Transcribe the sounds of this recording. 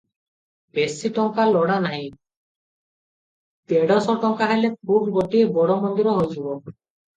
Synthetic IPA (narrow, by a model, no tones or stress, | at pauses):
besiʈɔŋkalɔɽanaɦj | t̪eɖɔsɔʈɔŋkaɦelep̚ʰuɾboʈiebɔɽɔmɔnd̪iɾɔɦod͡ʑubo